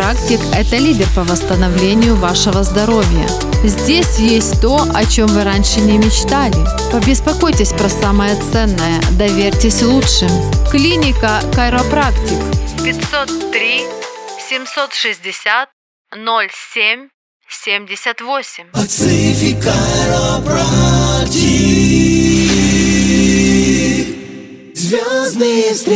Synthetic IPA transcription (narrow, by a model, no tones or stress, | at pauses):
aktʲɪkɛt̪əlʲidʲɪrpəvəst̪ənɐvlʲenʲɪjʊvaʂɨvəzd̪ɐɾo̞vʲjə̰ | zʲdʲesʲjesʲtʲt̪o̞ʔɐt͡ɕo̞mvɨɾanʲʂɨnʲɪmʲɪt͡ɕt̪alʲɪ | pəbʲɪspɐko̞jtʲɪsʲpɾɐsaməjət̪sɛnːəjəd̪ɐvʲeɾʲtʲɪsʲlˠutʂɨmʲklʲinʲɪkəkɐɾɐpɾaktʲɪkpʲɪt̪sot̪ːɾʲisʲɪmsot̪ʂɨzʲdʲɪsʲat̪̚ | nolʲsʲemʲ | sʲemʲdʲɪsʲət̪vosʲɪmʲɐt̪sɨfʲɪkɐaɾopɾaktʲɪ | zvʲaznɨjəst̪